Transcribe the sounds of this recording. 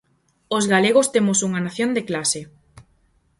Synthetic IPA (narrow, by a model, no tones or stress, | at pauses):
ozɣaleɣ̞ost̪emosuŋanaθjond̪eklase